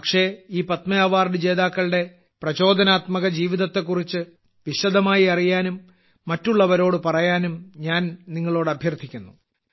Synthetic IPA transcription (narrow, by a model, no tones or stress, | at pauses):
pɐkʂe̞iːpɐt̪mɐjaːʋaːrnɨd͡ʑe̞ːðaːkːɐɭɨɽe̞ | prɐɕo̞ːd̪ʱɐnaːt̪mɐɣɐd͡ʑiːʋiðɐt̪ːe̞k̬ːurit͡ɕːɨ | ʋiɕɐd̪ɐmaːjiɐrijaːnumː | ɐtːuɭːɐʋɐɾo̞ːɽɨpɐrɐjaːnumɲaːnniŋːɐɭo̞ːɽɐbʱjɐrd̪ʰʱːikʲːunːu